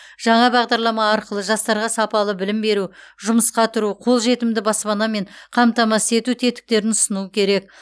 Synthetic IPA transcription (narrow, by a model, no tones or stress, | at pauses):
ʒ̥ɑɴɑbɑʁd̪ɑɾlˠɑmɑːɾqəlˠəʒɑst̪ɑɾʁɑsɑpɑlˠəbɪlɪmbe̞ɾuʒʊməsqɑt̪ʰʊɾuqʰo̞lˠʒe̞t̪ɪmd̪ɪbɑspɑnɑme̞ɴqʰɑmt̪ɑmɑse̞t̪ut̪ʰe̞t̪ɪ̥k̚t̪e̞ɾɪnʊsənukʲʰe̞ɾe̞k̚